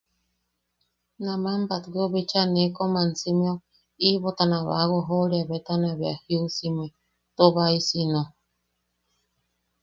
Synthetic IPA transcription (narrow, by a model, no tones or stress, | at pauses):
namambat̪koβit͡ʃanekomansimio | iβot̪anãβa̰ɣoɦoɾiaβet̪anaβeahiusime | t̪oβaisino